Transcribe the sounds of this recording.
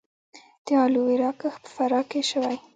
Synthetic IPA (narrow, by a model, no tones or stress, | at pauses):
d̪̥əɑluweɾɑkəxpə̥faɾɑkeʃəwaj